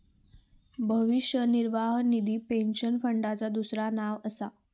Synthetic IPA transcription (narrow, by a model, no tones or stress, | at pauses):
bʱəʋiʂjəniɾʋaɦnid̪iːpenɕənfəɳɖat͡sad̪usɾanaʋəsa